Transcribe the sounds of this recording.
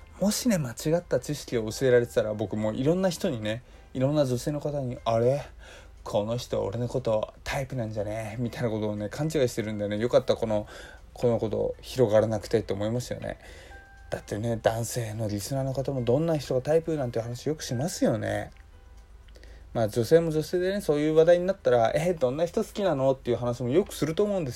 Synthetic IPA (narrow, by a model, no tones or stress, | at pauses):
mo̞ɕine̞mat͡ɕiɡat̪ːat͡ɕiɕi̥kʲioɯ̟sɨe̞ɾaɾe̞t̪e̥t̪aɾabo̞kɯ̟mo̞ʔiɾõ̞nːaçi̥t̪o̞ɲ̟ine̞ | iɾõ̞nːad͡ʑo̞se̞ːno̞kat̪aɲ̟iaɾe̞ | kʰo̞no̞çi̥t̪o̞o̰ɾe̞noko̞t̪o̞at̪ʰaipɯ̟nãɲd͡ʑanemʲit̪ainako̞t̪oːne̞kʰãɲ̟t͡ɕiɡaɕi̥t̪e̞ɾɯ̟̃nd̪anejo̞kat̪ːako̞no̞ | kʰo̞noko̞t̪o̞̰çiɾo̞ɡaɾanakɯ̥t̪et̪ːeomo̞imasɨjo̞̰nḛ | d̪̥at̪ːe̞ne̞d̪̥ãɰ̃se̞ːno̞ɾʲisɨnaːno̞kat̪amo̞d̪õ̞nːaçi̥t̪o̞ɡat̪aipɯ̟nãnt̪eiɯ̟ɦanaɕiojo̞kɯ̟̥ɕimasɨjo̞nḛ | maːd͡ʑo̞se̞ːmo̞d͡ʑo̞se̞ːd̪e̞neso̞ːjɯ̟ːβad̪aiɲ̟inat̪ːaɾaed̪õ̞nːaçi̥t̪o̞sɨ̥kʲinano̞t̪ːe̞iɯ̟ɦanaɕimo̞jo̞kɯ̟̥sɨɾɯ̟t̪oːmo̞ɯ̟̃nd̪es